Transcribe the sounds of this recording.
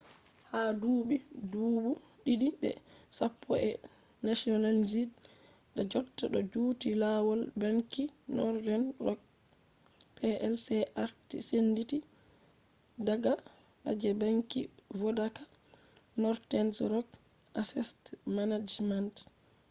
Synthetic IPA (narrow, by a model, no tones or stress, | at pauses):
haduːɓiduːɓu | ɗiɗibɛ̰sapʰːɔɛ | nasiɔnald͡ʒid | dad͡ʒɔtːaɗɔd͡ʒuːtilawɔlbaŋkinɔɾdɛnrɔk̚ | pʰɛʔɛlsɛʔaɾtḭsenditi | daɡa | ʔa̰d͡ʒɛbaŋkḭvɔdakḁ | nɔɾtɛnsɾɔk̚ | ʔasɛstmanad͡ʒmant